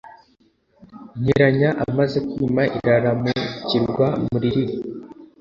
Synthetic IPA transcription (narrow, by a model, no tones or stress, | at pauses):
ɲ̥iɾaɲaʔamaze̞kwiːmaʔiɾaɾamuciɾɡwamuɾiɾiɾi